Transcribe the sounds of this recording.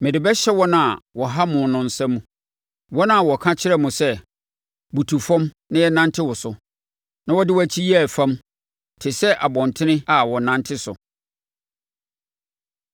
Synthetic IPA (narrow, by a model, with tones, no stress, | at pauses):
mɪ̃˨dɪ˨bɛ˦ɕɛ˦wɔ˦nã˨a˨wɔ˨ɦa˦mʊ̃˨nʊ̃˨n̩˨sɛ̃˦mũ˦ | wɔ˦nã˦˨wɔ˨kʰã˦t͡ɕʰɪ˦ɾɛ˦mʊ̃˨sɛ˦ | bu˨tʰu˨fɔ̃˦m | nã˦jɛ˦nã˦ntʰɪ˦wʊ˨sʊ˨ | nã˦wɔ˦dɪ˦wɔ˦˨˦t͡ɕʰi˦jæ˦˨fã˦m | tʰɪ˨sɛ˦ʔa˨bɔ̃˨ntʰɪ˦nɪ̃˦a˨wɔ˨nã˦ntʰɪ˦sʊ̰˨